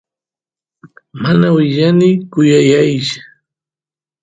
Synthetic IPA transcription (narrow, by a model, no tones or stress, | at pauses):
manawɪʎanɪkʊjajajʃʊ̥